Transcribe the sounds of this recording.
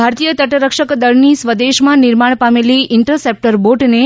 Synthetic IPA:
bʱaɾt̪ijət̪əʈɾəkʃəkd̪əɭnisʋəd̪eʃmãnɪɾmaɳ̃pameliɪɳʈɾəsep̚ʈəɾboʈne

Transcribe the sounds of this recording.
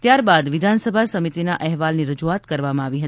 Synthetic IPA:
t̪jaɾbad̪ʋɪd̪ʱansəbʱasəmit̪inaʔɛɦʋalniɾəd͡ʒuat̪kəɾʋamãaʋiɦə

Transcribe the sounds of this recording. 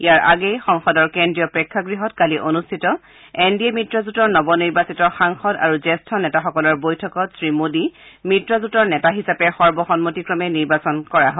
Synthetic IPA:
ijaɹʔa̰ɡɛjxɔŋxɔdɔɹkendɹijɔpɹɛkʰːaɡɹiɦɔtkaliʔonustʰitɔ | endiɛmitɹɔzutɔɹnɔbɔniɹbasitɔxaŋxɔda̰ɹuzɛstʰɔnɛtaxɔkɔlɔɹbojtʰɔkɔtsɹimodimitɹɔzutɔɹnɛtaɦisapɛxɔɹbɔxɔnmotikɹɔmɛniɹbasɔnkɔɹaɦɔ

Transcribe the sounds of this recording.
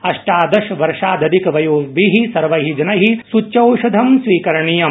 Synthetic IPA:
ɐʂʈaːd̪ɐʃʋɐɾʂaːd̪ɐd̪ikɐʋɐjoːʋiɦisɐɾʋɐɦid͡ʒɐnɐɦisut͡ʃːt͡ʃɐwʃɐd̪ʱɐmsʋiːkɐɾɐɳijɐm

